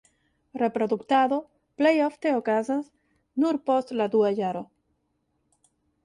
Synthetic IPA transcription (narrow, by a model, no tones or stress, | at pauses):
repɾoðukt̪aðo | plejoft̪eokazaz | nuɾpost̪lad̪uaʝaɾo